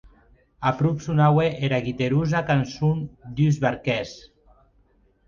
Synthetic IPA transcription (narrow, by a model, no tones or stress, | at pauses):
apɾupsunaweʔeɾaɣit̪eɾuzakansund̪yzβaɾkɛs